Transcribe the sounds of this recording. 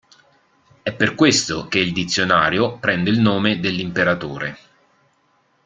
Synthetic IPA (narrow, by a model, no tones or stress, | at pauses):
ɛpːerkwest̪ok̟eild̪it̪sːjonaːɾjopɾɛnd̪eilnoːmed̪elːimpeɾat̪oːɾe